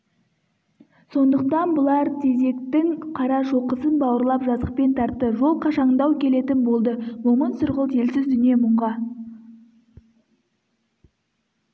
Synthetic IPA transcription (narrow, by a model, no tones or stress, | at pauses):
so̞nd̪əq̚t̪ɑnbʊlˠɑɾt̪ʰe̞ze̞kt̪ɪŋqʰɑɾɑʃo̞qəsənbɑwəɾlˠɑpʒɑzəq̚pe̞nt̪ʰɑɾt̪ːəʒo̞lˠqʰɑʃɑɴd̪ɑwkʲʰe̞le̞t̪ɪnbo̞lˠd̪əwomənsʊɾʁəlˠt̪ʰe̞lsɪzd̪ʏnije̞mʊɴʁɑ